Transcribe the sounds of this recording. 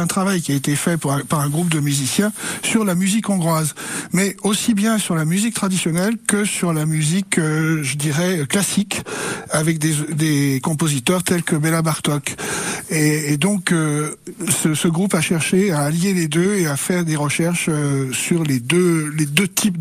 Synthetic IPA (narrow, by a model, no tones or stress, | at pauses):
ɛ̃t̪χavajkʲiaet̪efɛpɛ̃paʁɛ̃ɡʁup̚d̪əmyzisjɛ̃syʁlamyzikɔ̃ɡʁwazmɛosibjɛ̃syʁlamyzik̚t̪χad̪isjɔnɛlkəsyʁlamyzikøʒəd̪iʁɛklasikavɛk̚d̪ed̪ekɔ̃pozit̪œʁt̪ɛlkəbelabaʁt̪ɔk | eːd̪ɔ̃kø | səsəɡʁupaʃɛʁʃeaːljeled̪øeafɛʁd̪eʁəʃɛʁʃøsyʁled̪øled̪øt̪ʰip